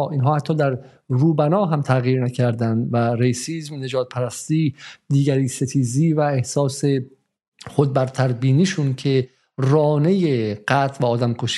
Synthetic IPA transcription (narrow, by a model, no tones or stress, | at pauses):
iːnɦɒːhæt̪ʰːɒːd̪æɾ | ɾuːbænɒːɦæmt̪ʰæɣjiːɾnæcʰæɾd̪ænd̪væɾejsiːzmne̞d͡ʒɒːt̪̚pʰæɾæst̪iːd̪iːɡæɾiːse̞t̪ʰiːziːvæehsɒːse̞ | χod̪̚bæɾt̪ʰæɾbiːniːʃuncʰe̞ | ɾɒːne̞jeɢæt̪ʰvæɒːd̪æmkʰoʃ